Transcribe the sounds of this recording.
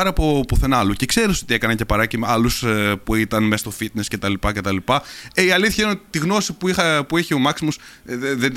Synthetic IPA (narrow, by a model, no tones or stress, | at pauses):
ɐɾɐpopuθenɐlucekse̞ɾiso̞t̪iekɐnɐɲce̞pɐɾɐcimɐluspuit̪ɐnmest̪o̞fit̪ne̞sce̞t̪ɐlipɐce̞t̪ɐlipɐeiɐliθçɐinot̪it̪iɣno̞sipuixɐpueçeo̞mɐksimos | ðe